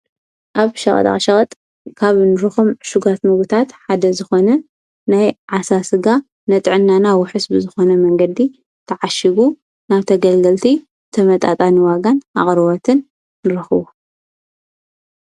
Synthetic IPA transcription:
ʔaβʃɐχʼt̪ʼa̰ʃɐχʼɐt̪ʼ | kʰaβnɨɾɨxomʃuɡat̪mɨɡut̪ʰat̪ħad̪ɐzɨxo̞nɐ | najʕasasɨɡa | nɐt̪ʼʕɨnːanawʊħɨsbɨzɨxo̞nɐmɐŋɡɐd̪i | t̪ʰɐʕaʃiɡu | naβt̪ʰɐɡɐlɡɐlt̪ʰi | t̪ʰɐmɐt̪ʼat̪ʼaniwaɡanʔa̰χʼɾwot̪ʰɨnː | ɨɾɐxɨβu

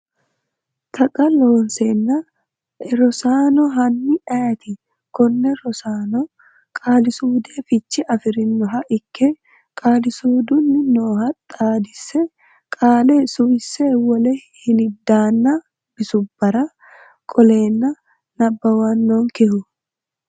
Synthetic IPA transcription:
t̪ʰɐkʼɐloːnseːnːɐ | ɾɔsaːnɔɦɐnːɪɐjɐt̪ɪ | kɔnːɛɾɔsaːnɔ | kʼaːlɪsuːd̪eːfɪt͡ʃːɪʔɐfɪɾɪnːɔɦɐʔɪkːɛ | kʼaːlɪsuːd̪ʊnːɪnoːɦɐt̪ʼːaːd̪ɪsːɛ | kʼaːlɛsʊwɪsːewɔlɛhɪnɪd̪aːnːɐ | b̥ɪsʊbːɐɾɐ | kʼɔle̞ːnːɐ | nɐbːɐwɐnːoŋkɛhʊ

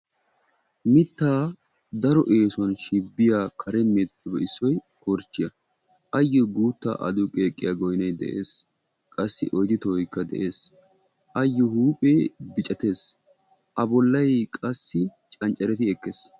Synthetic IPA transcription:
mɪt̪ːaː | d̪ɐɾɔʔe̞ːsʊɐnʃɪbːɪjaːkʰɐɾɛmːeːt̪t̪ːɔbɛʔɪsːɔj | kɔɾt͡ʃːɪjɐ | ʔɐjːɔɡuːt̪ːa̰ːʔɐ̰d̪ʊkʼe̞ːkʼːɪjaɡɔjnɐjd̪ɛ̰ʔeːs | kʼɐsːɪ̰ʔɔjd̪ɪt̪ɔɔjkːɐd̪ɛ̰ʔe̞ːs | ʔɐjːɔhuːpʼeːbɪt͡ʃʼɐt̪e̞ːs | ʔɐbɔlːɐjkʼɐsːɪt͡ʃʼɐnt͡ʃʼɐɾɛt̪ɪɛkːes

